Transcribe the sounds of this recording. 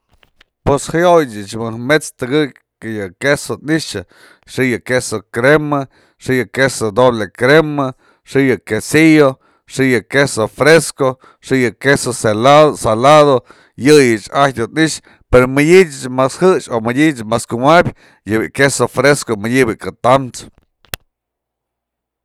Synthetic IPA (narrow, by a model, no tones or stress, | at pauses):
pweshajojt͡ʃɨt͡ʃmɨmet͡st̪ɨɡɨkʲ | kajɨkesot̪niʂɨ | ʂijɨkesokɾema | ʂɨjɨkesod̪oblekɾema | ʂijɨkesijo | ʂɨjɨkesofɾesko | ʂɨjɨkesoselaðosalaðo | jɨjɨt͡ʃaot̪niʂ | peɾomɨjʲid͡ʒʲɨt͡ʃmashɨt͡ʃomɨdʲit͡ʃmaskumabʲ | jɨbiʔkesofɾeskomɨjʲibɨkɨt̪amt͡ʃ